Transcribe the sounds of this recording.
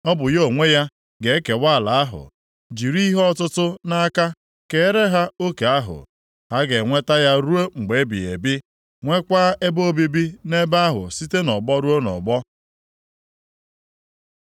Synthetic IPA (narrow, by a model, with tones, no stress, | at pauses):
ɔ˦bʊ˨jo˦˨ŋʷe˦ja˦ | ɡe˨e˦ke˨wa˦˨la˨a˦ɦʊ̰˨ | d͡ʒi˨ɾi˦ɦɔ˦˨tʊ˦tʊ˦na˦ka˦ | ke˨˦ɾe˦ɦa˦o˦ke˨a˦ɦʊ̰˨ | ha˦ɡe˨ŋʷe˦ta˦ja˦ɾu˦o˦ŋ͡m̩˨ɡ͡be˨e˦bḭ˨ḛ˨bɪ˦ | ŋʷe˦kʷaː˦ʔe˦bo˦bi˦bi˦ne˦ba˦a˦ɦʊ̰˨si˦te˦nɔ˨bɔ˦ɾu˦o˦nɔ̰˨ɡ͡bɔ˦